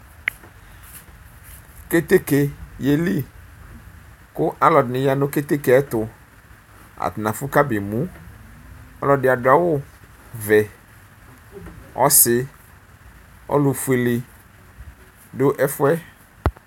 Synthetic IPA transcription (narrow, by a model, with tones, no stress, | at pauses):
ke˦t̪e˦ke˨je˨li˦ | kʊ˦ʔa˦lɔ˨dɪ˨nɪ̃˨ja˦nʊ̃˦ke˦t̪e˦ke˨ɛ˦t̪ʊ˨ | a̰˨t̪ʊ˨nã˨fʊ˦ka˦be˨mũ˨˦ | ɔ̰˦lɔ˨dɪ˨a˨dʊ˨a˨wʊ˦ | vɛ˨ | ɔ̰˦sɪ˨ | ɔ̰˦lʊ˨fu˨i˨lɪ˨ | dʊ˦ʔɛ˦fʊ˦ɛ˦